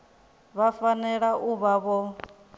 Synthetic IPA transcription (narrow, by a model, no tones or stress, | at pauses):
βafanɛɺaʔuβaβɔ